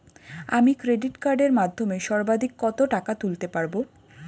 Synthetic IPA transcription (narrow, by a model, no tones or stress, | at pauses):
amikɾeɖiʈkaɾɖeɾmad̪ʱːomeʃɔɾbad̪ʱikːɔt̪oʈakat̪ult̪epaɾbo